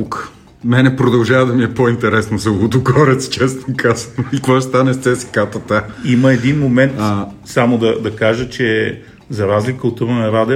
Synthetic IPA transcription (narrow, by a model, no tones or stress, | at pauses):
uk | mɛnɛpɾod̪ɐlˠʒavəd̪ɐmiɛpoint̪ɛɾɛsnosɐlod̪ʊɡɔɾɛt̪st͡ʃɛst̪okazənoikvɔʃt̪anɛst̪sɛsi̥kat̪ət̪aiməɛd̪inmomɛnt̪asamʊd̪ɐd̪ɐkaʒət͡ʃɛ | zɐɾazlʲikəot̪uvənɐɾad̪ɛ